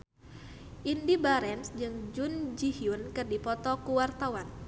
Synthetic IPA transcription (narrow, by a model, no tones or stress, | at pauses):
ʔindibaɾɛnsd͡ʒɨŋd͡ʒund͡ʒihiunkɨrdipɔt̪ɔkuwart̪awan